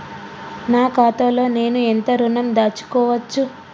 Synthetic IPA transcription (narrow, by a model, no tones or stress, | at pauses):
naːkaːt̪ɐlo̞ːne̞ːnuent̪ɐɾunɐmd̪aːt͡ʃːu̥kɔːʋɐt͡ʃːu